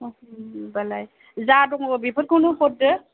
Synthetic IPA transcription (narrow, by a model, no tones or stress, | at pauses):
balaj | zadɔŋbipʰɯt̚kʰawnupɔt̚dɯ